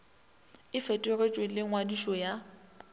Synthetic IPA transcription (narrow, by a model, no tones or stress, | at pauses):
ɪfetʼeret͡ʃʼwelɪŋwadiʃɔja